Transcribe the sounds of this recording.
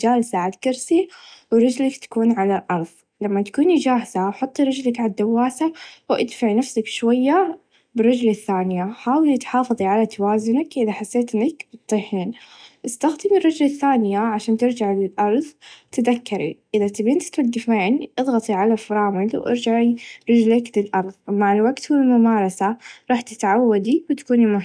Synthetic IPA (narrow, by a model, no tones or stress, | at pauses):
d͡ʒaːlsaʕalkɑɾsiwɾˤɑd͡ʒlakt̪ḁkuːnʕalalʔɑɾˤðˤ | lamːat̪ḁkuːnid͡ʒaːhz̥awħʊt̪ˤːiɾˤɑd͡ʒlakʕad̪awːaːsawʔad̪faʕnafsakʃwajːa | bɪrˤːɑd͡ʒlaθːaːnɪjaħaːwɪlit̪ħɑːfɑðˤiʕalat̪awaːzʊnakʔɪðaħasːeːt̪ʔɪnːakb̥ɨt̪ˤːɨhnʔɪst̪axd̪ɪmɪrˤːɑd͡ʒlaθːaːnɪjaʕaʃaːnt̪ɪɾd͡ʒaʕlɪlʔɑɾˤðˤt̪ɪðakːɑɾḭʔɪðat̪ibɪnt̪ɪ̥k̪ad̪ɪfaːnʔɨðˤɣɑt̪ˤiʕalafɾˤɑːmɪlwʔɑ̰ɾd͡ʒaʕiɾˤɪd͡ʒlaklɪlʔɑɾˤðˤmaʕɪlwaɡt̪wɪlmʊmaːɾˤɑsaɾˤɑːħt̪ɪ̥t̪ʕawːad̪iwɪt̪ḁkuːnimʊ